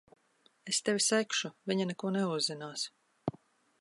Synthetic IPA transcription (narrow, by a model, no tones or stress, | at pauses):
est̪ɛvʲisɛjkʃuvʲiɲanɛkuɔnɛuzːinaːs